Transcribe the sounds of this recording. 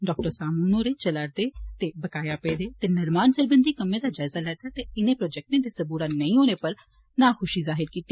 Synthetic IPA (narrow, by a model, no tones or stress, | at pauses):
ɖɔːk̚ʈəɾsaːmuːnoːɾeːt͡ʃəlaɾd̪eːt̪eːbəkaːjaːpeːd̪eːt̪eːnəɾmaːnsəɾbənd̪iːkəmːẽːd̪aːd͡ʒaːɪzaːlɛːt̪aːt̪eːɪnẽːpɾɔːd͡ʒɛk̚ʈẽːd̪eːsəbuːɾaːnəĩːɦoːneːpəɾ | naːxʊʃiːzaːɦɪɾkiːt̪i